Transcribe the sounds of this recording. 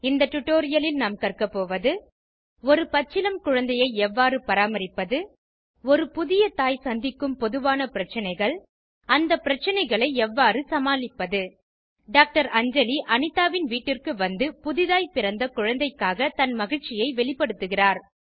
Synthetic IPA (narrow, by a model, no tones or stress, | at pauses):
ɪnd̪ɐʈʊʈːoːɾɪjɐlɪlnaːmkɐrkɐpːoːʋɐðɯ | ɔɾɯpɐt͡ʃːɪlɐmkʊɻɐnd̪ɐjɐɪɛʋːaːɾɯpɐɾaːmɐɾɪpːɐðɯ | ɔɾɯpʊðɪjɐt̪aːjsɐnd̪ɪkːɯmpɔðɯʋaːnɐpɪɾɐt͡ʃːɐnɐɪɣɐɭ | ɐnd̪ɐpːɪɾɐt͡ʃːɐnɐɪɣɐɭɐɪɛʋːaːɾɯsɐmaːlɪpːɐðɯ | ɖaːk̚ʈɐɾɐɲd͡ʒɐliʔɐnɪt̪ːaːʋɪnʋiːʈːɪrkɯʋɐnd̪ɯpʊðɪðaːjpɪɾɐnd̪ɐkʊɻɐnd̪ɐɪkːaːɣɐt̪ɐnmɐɣɪɻt͡ʃɪjɐɪʋɛɭɪpːɐɽɯt̪ːɯɣɪraːɾ